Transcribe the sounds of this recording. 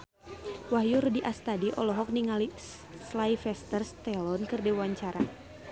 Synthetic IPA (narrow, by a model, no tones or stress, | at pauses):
wahjurdiʔast̪adiʔɔlɔɦɔk̚niŋali | slaifɛst̪ərst̪ɛlɔnkɨrdɛwaɲt͡ʃaɾa